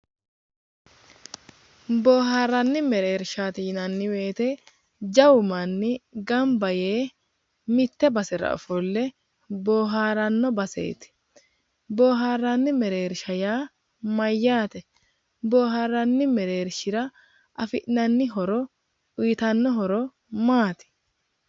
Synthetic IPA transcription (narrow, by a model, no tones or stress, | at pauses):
bo̞ːɦaːɾɐnːɪmɛɾeːɾʃaːt̪iːnɐnːɪwe̞ːt̪ɛ | d͡ʒɐwʊmɐnːɪɡɐmbɐje̞ː | mɪt̪ːɛbɐsɛɾɐ̰ɔ̰fɔlːɛ | boːɦaːɾɐnːɔbɐsḛːt̪ɪ̥ | bo̞ːɦaːɾːɐnːɪmɛɾe̞ːɾʃɐjaː | mɐjːaːt̪ɛ | bo̞ːɦaːɾːɐnːɪmɛɾeːɾʃɪɾɐ | ʔɐfɪʔnɐnːɪɦɔɾɔ | ʊjɪt̪ɐnːɔɦɔɾɔ | maːt̪ɪ̥